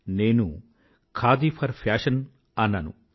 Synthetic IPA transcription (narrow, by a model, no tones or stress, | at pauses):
neːnṵ | kʰaːd̪ipʰɐɾpʰaːʃɐn | ɐnːɐnṵ